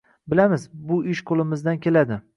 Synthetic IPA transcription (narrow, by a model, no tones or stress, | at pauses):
bɪlamɪzbʊɪʃqʰolˠɪmɪzd̪ankʲʰe̞lad̪ɪ